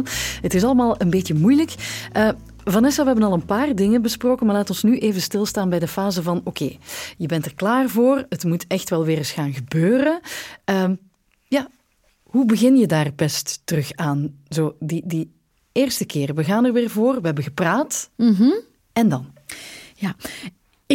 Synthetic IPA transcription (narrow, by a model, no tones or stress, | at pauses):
ɦətɪs̬ɑlˠəmaːlˠənbeːtjəmujləkʔəː | vɑnɛsɑʋəɦɛbənɑlˠənpaːrdɪŋənbəsproːkəmaːrlaːtɔnsnyʔeːvənstɪlˠstaːnbɛjdəfaːzəvɑnokʰeːjəbɛntərklaːrvoːrətmutʰɛxtʋɛlˠʋɪːrəsxaːnɣəbøːɾənəː | ja | ɦubəɣɪnjədaːrbɛsttərɵxaːnzoːdidə | ɪːrstəkɪːrʋəɣaːnərʋɪːrvoːrʋəɦɛbənɣəpraːt | ɛndɑnjaː | ɪ